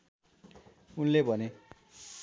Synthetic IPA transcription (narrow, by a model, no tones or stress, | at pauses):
unlebʱʌne